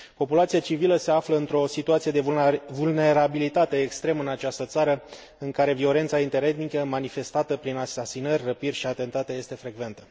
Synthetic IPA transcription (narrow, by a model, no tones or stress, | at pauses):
po̞pulat̪siat͡ʃiviləse̞afləɨnt̪ɾo̞sit̪uat̪sied̪e̞vulne̞ɾabilit̪at̪e̞ːkst̪ɾe̞mɨnat͡ʃast̪ət̪saɾə | ɨŋkaɾe̞vio̞le̞nt̪saint̪e̞ɾe̞d̪nikəmanife̞st̪at̪əpɾinasasinərʲrəpirʲʃiat̪e̞nt̪at̪e̞jest̪e̞fɾe̞ɡve̞nt̪ə